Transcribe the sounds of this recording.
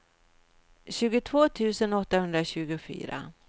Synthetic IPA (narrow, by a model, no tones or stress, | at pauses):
ɕʉ̟ːɡʊt̪ʰvoːt̪ʰʉ̟ːsənɔt̪ːahɵnd̪ɾaɕʉ̟ːɡʊfy̰ːɾa̰